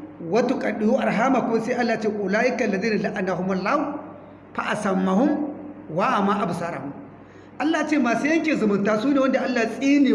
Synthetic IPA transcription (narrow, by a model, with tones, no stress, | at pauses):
wɐ˦tu˦˨kʼɐ˨ɗi˨ju˦ʔa˨ɾɦaː˦ma˨kʊ˦ma˦sa˦ʔa˦lːa˨t͡ʃe˦˨ʔʊ˨laː˦jɪ˦ka˨lːa˨ziː˦na˨la˦ʔa˨na˨ɦu˦ma˦˨lːa˦u˦ | pa˨ʔa˨sɐ˨mːa˨ɦʊ˦mwa˦ʔa˨ma˦ʔa˨bu˨saː˦ɾa̰˨mu˨ | ʔa˦lːaː˨jt͡ʃe˦˨maː˨su˦jɐ˦ŋkʲeː˨zʊ˨mʊ˨ntaː˦suː˦ne˨wɐ˦nda˨ʔa˦lːa˨sʼiː˦niː˨